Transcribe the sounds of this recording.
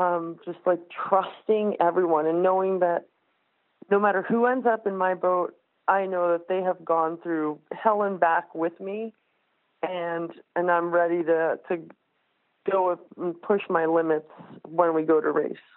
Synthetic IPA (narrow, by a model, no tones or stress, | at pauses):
ʌ̃md͡ʒʌst̚ˡlaɪk̚tʰɹ̥ʌstɪ̃ŋɛvɹiwʌ̃nɨ̃nːoʊɪ̃ŋðɨt̚ | noʊmæɾə˞huɛ̃ndzʌpɨ̃nmaɪboʊɾ̚ | ʔaɪnoʊðɨt̪̚ðeɪɨvɡɔ̃nθɹʉhɛlˠə̃nbækwɪðmi | ɨ̃nɨ̃nãɪ̃mɹɛɾiɾɨɾɨ | ɡ̥oʊn̩pʰʊʃmaɪlɪ̃mɨtswə̃nwiɡoʊɾʔɨ̰ɹeɪs